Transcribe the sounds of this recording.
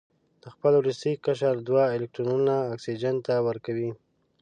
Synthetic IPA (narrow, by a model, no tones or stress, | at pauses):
d̪̥əxpəlulɪst̪ikːaʃ̬aɾd̪waɪlɪk̚ʈɾonunaːksid͡ʒant̪awəɾkawi